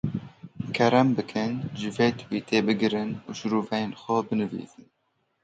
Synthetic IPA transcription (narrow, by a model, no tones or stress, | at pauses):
kʰɛɾɛmbɨkʰɨnʒɨveːt̪ʰwiːt̪ʰeːbɨɡɨɾɨnuːʃɨɾuːvɛjeːnxʷɛbɨnɨvḭːzɨn